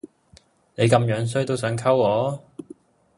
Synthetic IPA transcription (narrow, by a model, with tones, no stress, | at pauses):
ne˨˧jkɐ˧mjœː˨˧˥ŋs̬ɵ˥ɥt̪o˥wsœː˨˥ŋkʰɐ˥wɔː˨˥